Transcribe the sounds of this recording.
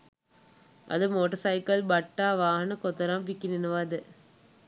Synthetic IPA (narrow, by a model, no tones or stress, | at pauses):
ʔɐ̰ðɯmoːʈɐɾsɐɪkɐlbɐʈːaːʋaːɐnɐkɔt̪ːɐɾãːmpikːinɪnɯʋaːd̪ɯ